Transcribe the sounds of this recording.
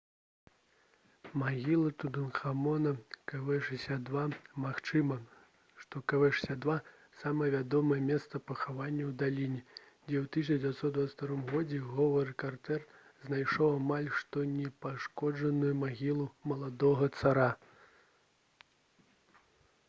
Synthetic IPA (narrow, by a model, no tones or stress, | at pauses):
maɣʲilˠɐt̪ud̪ɨnxamɔnɐkavɛʂɨsʲad̪vamaxt͡ʂɨmɐ | ʂt̪ɔkavɛʂsʲad̪va | samɐjɛvʲad̪ɔmɐjɛmʲɛst̪sɐpɐxavanʲːɐwd̪alʲinʲɛ | d͡zʲɛwt̪ɨs̬ʲd͡zʲvʲjat̪sɔt̪d̪d̪vat̪t̪aɾɔmɣɔd͡zʲɛɣɔvɐɾɨkart̪ɛr | znajʂɔwamalʲʂt̪ɔnʲɛpaʂkɔʐɐnujumaɣʲilˠumɐlˠad̪ɔɣɐt̪saɾa